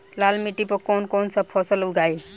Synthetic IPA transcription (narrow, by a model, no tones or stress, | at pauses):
lalmiʈipɔkɔnkonsəpʰɔsəluɡaj